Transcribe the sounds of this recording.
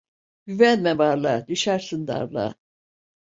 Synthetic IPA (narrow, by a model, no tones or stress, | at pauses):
byvɛnmɛbaɾlˠad̪yʃaɾsɯnd̪a̰ɾlˠa̰